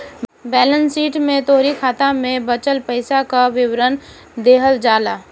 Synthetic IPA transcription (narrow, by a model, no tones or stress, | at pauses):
bɛːlənsiːʈmẽt̪oːɾikʰaːt̪amẽbət͡ʃəlpəɪsakaʋɪwɾən | d̪eːɦəld͡ʒaːlaː